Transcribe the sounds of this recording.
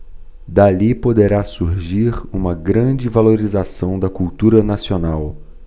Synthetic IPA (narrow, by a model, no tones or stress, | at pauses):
d̪alipod̪eɾasuɾʒiɾũmɐɡɾɐ̃d͡ʒɪvaloɾizasɐ̃w̃d̪ɐkuwt̪uɾɐnasionaw